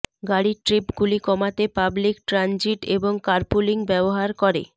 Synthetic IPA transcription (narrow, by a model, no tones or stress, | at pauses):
ɡaɽiʈɾipɡulikɔmat̪epablikʈɾand͡ʑiʈeboŋkaɾpuliŋbɛboɦaɾkɔɾḛ